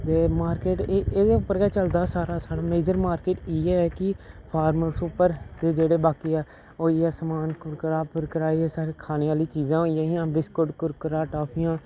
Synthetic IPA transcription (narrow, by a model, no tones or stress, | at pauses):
t̪eːmaːɾkeːʈeeːd̪eːʊpːəɾkɛːt͡ʃəld̪aːsaːɾaːsaːɽaːmeːd͡ʒəɾmaːɾkeːʈiːɛːɛːkɪpʰaːɾməɾsuːpəɾd̪eːd͡ʒeːɽeːbaːkiːɛː | oːiɛːsəmaːnkʊɾkəɾaːpʊɾkəɾaːiɛsaːɾekʰaːneːaːliːt͡ʃiːzãːoːijãːiãːbɪskʊɖkʊɾkəɾaːʈaːpʰijãː